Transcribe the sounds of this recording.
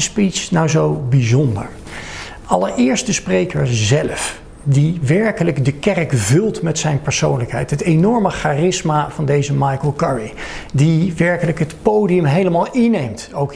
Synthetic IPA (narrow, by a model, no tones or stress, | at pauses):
spitsnawzowbizʊndə̰ɹ | ɑləɹɪːɹstəsprejkəɹzɛləf | diʋɛɹkələɡdəkɛrkvɵlˠtmɛtsɛjnpəɹsownləkɦɛjtɦətenɔɹməχaːrɪsmaːvɑndejzəmɑjkəlˠkɛɹidiʋɛɹkələkɦətpowdiəmɦejləmaːlˠɪnejmtowk